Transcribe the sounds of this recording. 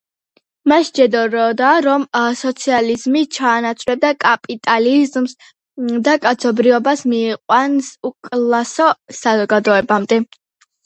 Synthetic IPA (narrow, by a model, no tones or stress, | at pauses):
maʃd͡ʒɛd̪ɔɾɔd̪aɾɔmsɔt̪sʰializmit͡ʃʰaːnat̪sʼʰvɾɛb̚d̪akʼapʼit̪ʼalizms | d̪akʼat̪sʰɔbɾiɔbasmiːqʼwansukʼlˠasɔsazɔɡad̪ɔɛbamd̪ɛ